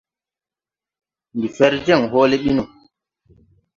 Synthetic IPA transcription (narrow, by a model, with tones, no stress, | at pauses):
mbi˨fɛ˦ɾd͡ʒɛ˦˨ŋɦɔː˦le˦ɓi˦nu˨ŋ